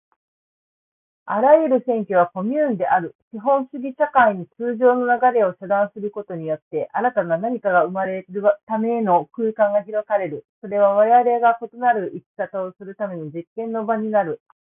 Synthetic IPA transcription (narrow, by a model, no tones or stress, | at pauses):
aɾajɯ̟ɾɯ̟sẽ̞ŋkʲoβ̞ako̞mʲɯːnd̪e̞ʔaɾɯ̟ɕiɦõ̞ɰ̃ɕɨɡʲiɕakaiɲ̟it͡sɨːʑo̞ːno̞naɡaɾe̞o̞ɕod̪ãɰ̃sɨɾɯ̟ko̞t̪o̞ɲ̟ijo̞t̪ːe̞ʔaɾat̪ananaɲ̟ikaɡaɯ̟maɾe̞ɾɯt̪ame̞no̞kɯːkãŋɡaçiɾo̞saɾe̞ɾɯ̟so̞ɾe̞β̞aβaɾeaɾe̞ɡako̞t̪o̞naɾɯ̟ʔikʲi̥kat̪ao̞sɨɾɯ̟t̪ame̞ɲod͡ʑikːẽ̞nːo̞baɲ̟inaɾɯ̟